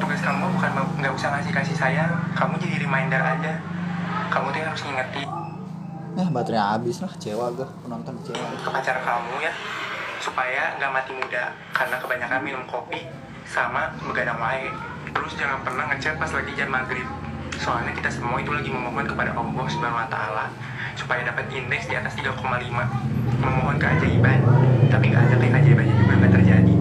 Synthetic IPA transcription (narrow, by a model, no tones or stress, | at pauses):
t̪uɡaskamɔbukanaŋɡaʔusahkasihkasihsajakamud͡ʒadiɾimaindəra̰d͡ʒa | kamut̪ujahɦaɾʊsŋiŋət̪i | jahbat̪ɾiabɪslaht͡ʃewaɡahpənɔnt̪ɔnkə̥t͡ʃewakəpat͡ʃaɾankamujasupajaŋɡaʔmat̪imuda | karənakəbaɲakanminʊmkopi | samaməɡadaŋwaɛ | t̪əɾʊsd͡ʒaŋanpərnahŋːət͡ʃat̪̚pasalat̪id͡ʒanmaɡɾɪp̪̚soanaki̥t̪asəmuait̪ulaɡiməmoɦɔnkəpada̰ʔɔmbɔhsəmbanaŋwat̪a̰ːla | su̥pajadapat̪indɛksdiat̪ast̪iɡakomalimaməmoɦɔnkəʔa̰d͡ʒadibant̪apiŋɡa̰ʔadakajkəad͡ʒadibad͡ʒabanɡat̪ərd͡ʒadi